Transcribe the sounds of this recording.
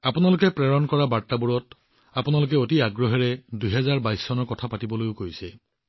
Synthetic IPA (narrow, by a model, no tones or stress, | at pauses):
apunalʊkɛpɹɛɹɔnkɔɹabatːabuɹɔt | apunalʊk̬ɛotiaɡɹɔɦɛɹɛdujɦɛzaɹbajsːɔnɔɹkɔtʰapatibɔlojʊkojsɛ